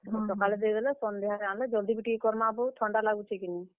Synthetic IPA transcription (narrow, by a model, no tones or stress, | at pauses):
sɔkalɛd̪ed̪ɛlɛsɔnd̪eɦaɾãnlɛd͡ʒɔld̪ibiʈikɔɾmabɔʈʰɔɳɖalaɡut͡ʃʰɛkini